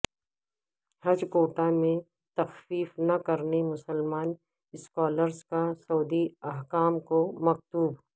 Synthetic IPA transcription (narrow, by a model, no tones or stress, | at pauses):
hɐd͡ʒkoːʈamẽ | t̪ɐxfiːfnɐkɐɾnemʊsəlmaːn | ɪskaːləɾskasoːd̪iɐɦkaːmkomɐk̚t̪uːb